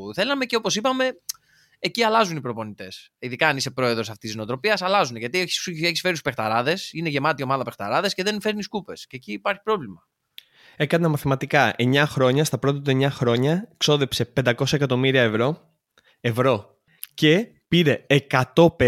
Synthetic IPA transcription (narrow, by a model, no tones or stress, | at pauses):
θe̞lɐme̞ceo̞po̞sipɐme̞ | eciɐlɐzunipɾo̞po̞nit̪e̞s | iðikɐːnise̞pɾo̞e̞ðɾo̞sɐft̪isino̞t̪ɾo̞piɐsɐlɐzuneʝɐt̪ieeçisfe̞ɾit̪u̥spe̞xt̪ɐɾɐðe̞sine̞ʝe̞mɐt̪io̞mɐðɐpe̞xt̪ɐ̰ɾɐðe̞sceðe̞nfe̞ɾniiskupe̞sceːciːpɐɾçi̥pɾo̞vlimɐ | e̞kɐnɐmɐθimɐt̪ikɐe̞ɲɐxɾo̞ɲɐst̪ɐpɾo̞t̪̬ɐt̪̬ueɲɐxɾo̞ɲɐkso̞ðepse̞pe̞nd̪ɐko̞sɐekɐt̪o̞miɾiɐevɾo̞ | evɾo̞ | ce̞ | piɾe̞ːkɐt̪o̞p